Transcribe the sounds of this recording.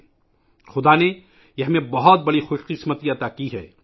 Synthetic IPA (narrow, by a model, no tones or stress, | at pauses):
xʊd̪ane | jeɦɐmẽbɐɦɔt̪̚bɐɽixʊʃqɪsmət̪iɐt̪akiɦɛː